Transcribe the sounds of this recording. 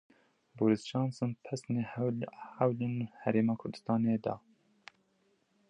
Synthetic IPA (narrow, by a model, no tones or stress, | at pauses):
boːɾist͡ʃɑːnsɨnpʰɛsnehæwlinhæɾeːmɑːkʰʊɾd̪ɨ̥st̪ɑːned̪ɑ̰